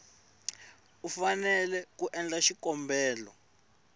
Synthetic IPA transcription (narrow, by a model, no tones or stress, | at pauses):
ufanɛlɛk̬uʔɛnd͡ɮaʃikɔmbʱɛːlɔ̰